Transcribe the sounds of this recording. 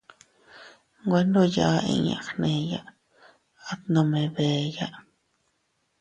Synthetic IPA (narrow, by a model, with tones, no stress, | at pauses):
ŋɡʷwe˧nd̪o˦ja˧ḛ˧ɲa˨xne˧ja˦ | a˦t̪no˧me˧˨be˨ja˦